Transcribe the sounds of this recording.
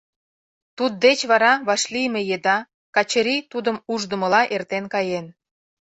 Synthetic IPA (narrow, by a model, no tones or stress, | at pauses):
t̪ud̪̚ːet͡ɕβɑɾɑβɑʃlimejed̪ɑ | kɑt͡ɕəɾit̪ud̪əmuʒd̪ə̆mə̆lɑʔert̪enkɑjen